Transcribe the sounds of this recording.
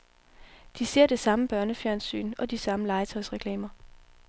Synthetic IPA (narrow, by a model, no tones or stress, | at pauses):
d̥ise̝ɐ̰d̥e̝sɑ̈məb̥ɶɐnəfjæɐnsy̰ːnɒ̽d̥isɑ̈məlɑ̈ɪt͡sʰɒ̽ɪsʁɛkʰlɛ̰ːmɐ